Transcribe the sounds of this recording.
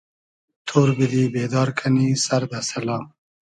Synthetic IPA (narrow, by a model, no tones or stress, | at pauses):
t̪ʰoːɾbid̪iːbeːd̪ɑːɾkʰanisɐɾd̪asɐlɑːm